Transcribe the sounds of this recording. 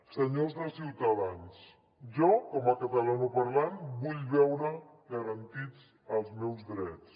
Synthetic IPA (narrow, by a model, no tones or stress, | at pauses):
səɲozðəsiwt̪aðans | ʒɔkɔməkət̪əlanəpɐɾlanbuʎβɛwɾə | ɣəɾənt̪it͡s | əlˠzmɛwzd̪ɾɛt͡s